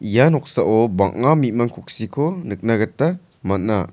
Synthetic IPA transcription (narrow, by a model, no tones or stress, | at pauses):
janɔk̚saʔɔbaŋŋamimaŋkʰuk̚sikʰonɯk̚naɡatːa | manna